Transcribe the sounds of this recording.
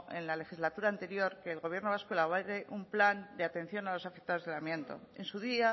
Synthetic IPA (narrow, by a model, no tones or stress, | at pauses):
ḛnlale̞xizlat̪uɾaːnt̪e̞ɾjo̞ɾkeːlɣo̞β̞je̞ɾnoβaskwoelaβaɾeʔumpland̪eat̪ẽ̞n̟θjo̞nalo̞safe̞k̚t̪aðozðe̞lamje̞nt̪o̞̰e̞nsuðia